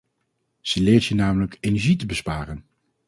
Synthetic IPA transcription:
z̥əlɪːɹtənaːmələkejnɛɹʒitəbəspaːrən

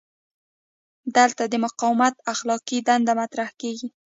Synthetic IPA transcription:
d̪əlt̪ad̪əmʊqɑwmat̪axlɑqid̪and̪amat̪ɾahkeɡi

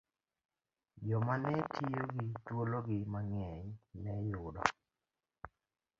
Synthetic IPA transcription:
d͡ʒɔmanɛtʰijoɡitwolɔɡɪmaŋɛjnɛjʊdɔ̰

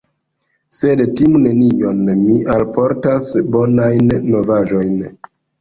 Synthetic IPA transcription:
se̞dtimne̞nijo̞nmiʔalpo̞ɾtasbo̞najnːo̞vaʒo̞jn

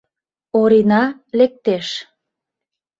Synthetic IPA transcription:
oɾinɑlek̚t̪eʃ

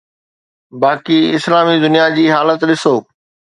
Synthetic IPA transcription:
baːkiɪslaːmid̪ʊnijad͡ʑiːɦaːlət̪ɗɪsoː

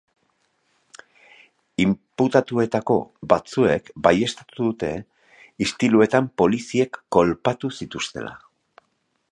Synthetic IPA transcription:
imput̪at̪ue̞t̪ako̞bat͡sue̞kbaje̞st̪at̪uðut̪e̞ | ist̪ilue̞t̪ampo̞lisie̞kːo̞lpat̪usit̪ust̪e̞̰la̰

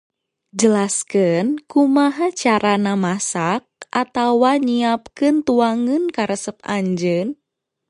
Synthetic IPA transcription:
d͡ʒəlaskɨnkumaɦat͡ʃaɾanamasak̚ʔat̪awaɲiap̚kɨnt̪uaŋɨnkaɾəsəp̚aɲd͡ʒən

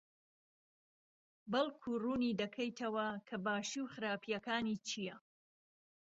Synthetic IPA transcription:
bɐlkʰuruːniːd̪ɐkʰɐjt̪ʰɐwɐkʰɐbaːʃiwxɨɾaːpʰijɐkaːniːt͡ʃʰijɐ

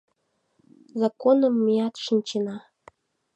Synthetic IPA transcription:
zɑkonəmːiɑt̪ʃɨnʲt͡ɕenɑ

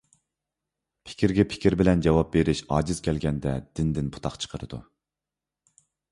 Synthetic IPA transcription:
pʰɪ̥kʲʰiɾɡʲɛpʰɪ̥kʲiɾbɪlɛnd͡ʒɑwɑp̚beɾɪʃɑːd͡ʒiz̥kʲʰɛlɡʲɛnd̪ɛd̪̥ɪnd̪ɪnpʰu̥t̪ʰɑqt͡ʃʰə̥qʰəɾɨ̰d̪ṵ

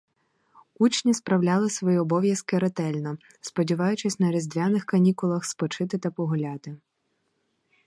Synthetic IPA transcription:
ut͡ʃnʲispɾɐwlʲalˠɪsʋɔjiɔbɔʋʲjɐskɪɾet̪ɛlʲnɔ | spɔdʲiʋɑjʊt͡ʃɪsʲnɐɾʲizd̪ʲʋʲanɪxkɐnʲikʊlˠɐxspɔt͡ʃɪt̪ɪt̪ɐpɔɦʊlʲat̪ɪ

